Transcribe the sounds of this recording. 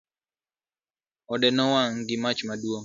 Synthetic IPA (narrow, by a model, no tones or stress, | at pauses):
ɔdɛnɔwaŋɡɪmat͡ʃmadwoŋ